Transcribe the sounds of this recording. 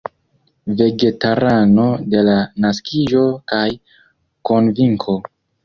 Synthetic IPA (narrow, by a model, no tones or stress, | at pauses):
ve̞ɡe̞taɾano̞de̞lanaskiʒo̞kaj | ko̞nviŋkʰo̞